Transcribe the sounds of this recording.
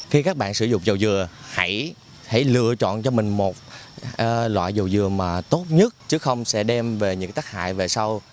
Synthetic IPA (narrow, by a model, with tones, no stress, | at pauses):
xi˧kaː˦˥k̚ɓa̰ː˧˨nsɨ̰˧˩zʊ̰˧˨ŋ͡mzə˨˩wzɨ˨˩əha˧˥j | ha̰˧˩jlɨ̰˧˨ət͡ɕɔ̰˧˨nt͡ɕɔ˧mï˨˩ŋ̟mo˨˩t̚ː | lwa̰ː˧˨jzə˨˩wzɨ˨˩əmaː˨˩t̪o˦˥t̚ɲə˦˥t̚t͡ɕɨ˦xə˧wŋ͡msɛ̰˧˥ɗɛ˧mve˨˩ɲɨ̰˧˥ŋt̪aː˦˥k̚ha̰ː˧˨jve˨˩sa˧w